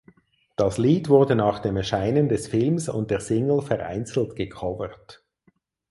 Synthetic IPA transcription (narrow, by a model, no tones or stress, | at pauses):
d̥ɑsliːtv̥ʊʁdənaːχd̥eːmɛɐʃaɪnəndɛsfɪlmsʊ̰nt̚d̥eːɐsɪŋl̩fɛʁʔa̰ɪnt͡sl̩tɡ̥əkʰɔvəʁt